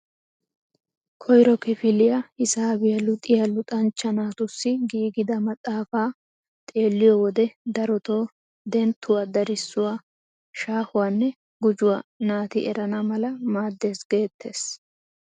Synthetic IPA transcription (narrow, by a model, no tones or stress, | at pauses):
kʰɔjɾɔkɪfɪlɪjɐhɪsaːbɪjɐlʊt̪ʼːɪjɐlʊt̪ʼɐnt͡ʃːɐnaːt̪ʊsːɪɡiːɡɪd̪ɐmɐt̪ʼːaːfaː | t̪ʼe̞ːlːɪjɔwɔd̪ɛd̪ɐɾɔt̪o̞ː | d̪ɛnt̪ʰːʊwaːd̪ɐɾɪsːʊwaː | ʃaːhʊwaːnːɛ | ɡʊd͡ʒʊwanaːt̪ɪʔɛɾɐnɐmɐlɐmaːd̪ːe̞ːsɡe̞ːt̪ʰːe̞ːs